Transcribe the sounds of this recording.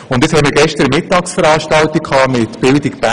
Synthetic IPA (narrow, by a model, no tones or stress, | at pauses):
ʊnd̪ɪt͡sshɛmiːɾɡɛʃtəɾəmɪtːɑːksfəɾɑːʃtɑltikʰɑːmɪtb̥ɪldikpæ